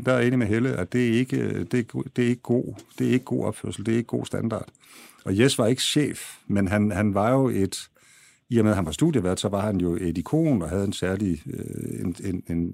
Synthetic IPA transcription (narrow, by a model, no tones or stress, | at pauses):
d̥ɑe̝̰ːnimeɦeləæd̥e̝æɐe̝ɡ̥əd̥e̝̥d̥e̝æɐeɡ̥əɡ̥o̝̰ːd̥e̝æɐe̝ɡ̥əɡ̥o̝̰ːɒ̽b̥føɐsl̩d̥e̝ɐe̝ɡ̥ə̥ɡ̥o̝̰ːsd̥ænd̥ɑ̰̈ːd̥ | ɒ̽jesʋɑ̈e̝ɡ̥əɕḛːfmenɦænhænʋɑ̈jo̝e̝d̥ | iɐmeðˠɦænʋɑ̈sd̥uðˠjəʋæɐ̰d̥sɒ̽ʋɑ̈hænjo̝ʔe̝d̥ikʰo̝̰ːnɒ̽ɦæð̞̩ˠensæɐliøenene̝n